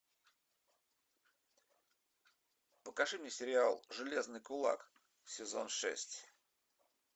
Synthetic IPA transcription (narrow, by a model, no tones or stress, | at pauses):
pəkɐʂɨmnʲɪsʲɪɾʲɪalˠʐɨlʲe̞znɨjkʊlˠa̰k | sʲɪzo̞̰nʂɛ̰sʲtʲ